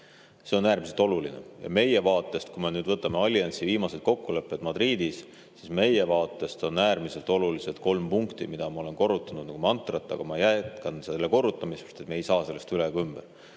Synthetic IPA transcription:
se̞o̞næːɾmise̞lt̪ˑo̞lulinḛjɑ̰me̞je̞vɑːt̪ːˑe̞st̪̚kume̞nyːd̪vɤt̪ːˑɑme̞ɑlʲːjɑnsiviːmɑse̞d̪̥̚ko̞kːule̞pˑːe̞d̪̥mɑd̪ɾiːd̪̥is | sisme̞je̞vɑːt̪ːˑe̞st̪o̞næːɾmiselt̪ˑo̞luliset̪̚ko̞lmpuŋkt̪imid̪̥ɑmɑo̞le̞nko̞rːut̪ːˑɑnud̪nɑkumɑnt̪ˑrɑt̪ˑːɑ̰ɡ̥ɑmɑjæt̪kɑnselːeko̞rːut̪ːˑɑmisst̪e̞t̪meejsɑːse̞lːe̞st̪ylekymb̥eɾ

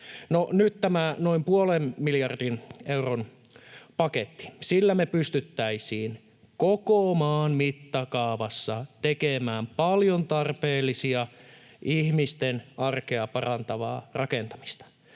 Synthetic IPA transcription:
noʔnyt̪t̪æmænoimpuolemmiljɑrdineuron | pɑket̪ːi̥silːæmepyst̪yt̪ːæisiːn | kokomɑːnmit̪ːɑkɑːʋɑsːɑt̪ekemæːmpɑljont̪ɑrpeːlːisiɑ | ʔihmist̪enɑrkeɑpɑrɑnt̪ɑʋɑ̰ːrɑkent̪ɑmi̥st̪ɑ̥

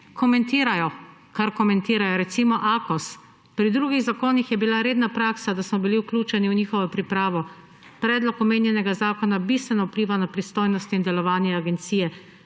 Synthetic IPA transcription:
kɔmɛnt̪iːɾajɔ | kaɾkɔmɛnt̪iːɾajɔɾɛt̪simɔʔaːkɔs | pɾid̪ɾuːɡiɣzakoːnixjɛbilaɾeːd̪napɾaːksad̪asmɔbiliwklʲuːt͡ʃɛniwniːxɔʋɔpɾipɾaːʋɔ | pɾɛːd̪lɔkɔmeːnjɛnɛɡazaːkɔnabist̪ʋɛnɔupliːʋanapɾist̪oːjnɔst̪ind̪ɛlɔʋaːnjɛaɡɛnt̪siːjɛ

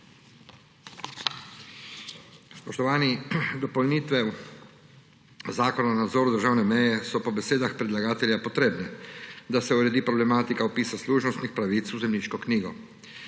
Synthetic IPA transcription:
spɔʃt̪ɔʋaːnid̪ɔpɔlniːt̪ʋɛ | zaːkɔnanad̪zɔːɾud̪əɾʒaːwnɛmɛjɛsɔpɔbɛseːd̪axpɾɛd̪laɡaːt̪ɛlʲjapɔt̪ɾeːbnɛd̪asɛuɾɛd̪iːpɾɔblɛmaːt̪ikaɔpiːsasluʒnɔst̪nixpɾaʋit̪suzɛmniːʃkɔkniːɡɔ

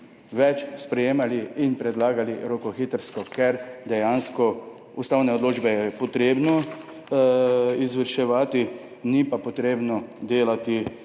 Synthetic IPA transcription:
ʋɛt͡ʃspɾɛjeːmaliinpɾɛd̪laːɡaliɾokɔxiːt̪əɾskɔkɛɾd̪ɛjanskɔ | ust̪aːwnɛɔd̪loːd͡ʒbɛjɛpɔt̪ɾeːbnɔ | izʋəɾʃɛʋaːt̪i | nipapɔt̪ɾeːbnɔd̪eːlat̪i

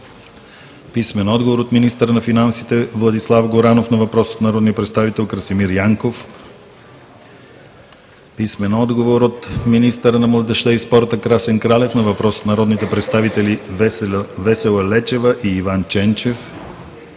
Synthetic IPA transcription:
pismɛnɔd̪ɡovoɾot̪minist̪əɾənɐfinansit̪ɛvlˠɐd̪islˠavɡoɾanofnɐvɐpɾɔso̥t̪nɐɾɔd̪niəpɾɛt̪st̪avit̪ɛlˠkɾəsimiɾjaŋkof | pismɛnɔd̪ɡovoɾot̪minist̪əɾənɐmlˠɐd̪ɛʃt̪əispɔɾt̪əkɾasɛŋkɾalɛfnɐvɐpɾɔso̥t̪nɐɾɔd̪nit̪ɛpɾɛt̪st̪avit̪ɛli | vɛsɛlˠɐlɛt͡ʃɛvəʔiːvant͡ʃɛnt͡ʃɛf

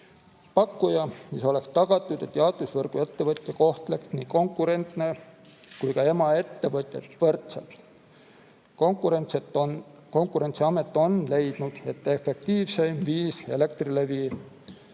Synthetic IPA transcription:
pɑkːujɑmiso̞le̞kst̪ɑɡ̥ɑt̪ˑːud̪̥e̞t̪ːjɑd̪usvɤrɡ̥ue̞t̪ːe̞vɤt̪ʲˑjɑko̞ht̪le̞ksniːko̞ŋkːˑuɾe̞nt̪ne̞kujkɑe̞mɑe̞t̪ːe̞vɤt̪ʲˑjet̪vɤrt̪selt̪ˑ | kuɾent̪set̪ | ko̞ŋkːˑuɾe̞nt̪siɑme̞t̪ːˑo̞nle̞jd̪̥nud̪̥e̞t̪ːˑe̞fe̞k̚t̪iːvsejmviːse̞̰le̞k̚t̪rile̞viː

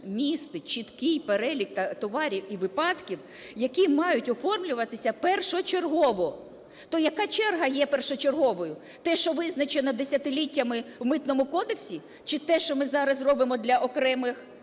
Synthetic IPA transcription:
mʲist̪ɪt͡ʃit̪kɪjpeɾɛlʲikt̪ɐt̪ɔʋɑɾʲiwiʋɪpɑt̪kʲiw | jɐkʲimɑjʊtʲɔfɔrmlʲʊʋɐt̪ɪsʲɐpɛrʃɔt͡ʃerɦɔʋɔ | t̪ɔjɐkɑt͡ʃɛrɦɐjɛpɛrʃɔt͡ʃerɦɔʋɔjʊ | t̪ɛʃt͡ʃɔʋɪznɐt͡ʃenɔd̪esʲɐt̪ɪlʲitʲːɐmɪwmɪt̪nɔmʊkɔd̪eksʲi | t͡ʃɪt̪ɛʃt͡ʃɔmɪzɑɾɐzrɔbɪmɔd̪lʲɐʔɔkɾɛmɪx

